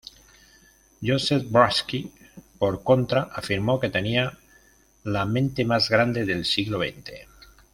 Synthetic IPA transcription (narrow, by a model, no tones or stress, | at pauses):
josefbɾaski | poɾko̞nt̪ɾaʔafiɾmo̞ke̞t̪e̞nia | lamẽnt̪e̞mazɣɾand̪e̞ðelsiɣloβ̞ḛjnt̪ḛ